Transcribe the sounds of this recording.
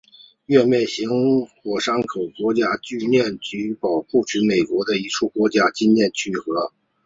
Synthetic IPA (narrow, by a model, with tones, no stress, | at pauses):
ɥɛ˥˧mjɛ˥˩nɕi˧˥ŋxwɔ˨˩ʂɑ˥ŋkʰo˨˩ʊkwɔ˧˥t͡ɕja˥t͡ɕy˥˧ljɛ˥˩nt͡ɕy˧˥pɑ˨˩ʊpu˥˩t͡ɕʰy˧˥me˨˩ɪkwɔ˧˥d̪ə˧i˧˥ʈ͡ʂʰu˥˩kwɔ˧˥t͡ɕja˥t͡ɕi˥nnjɛ˥˩nt͡ɕʰy˥xɤ˧˥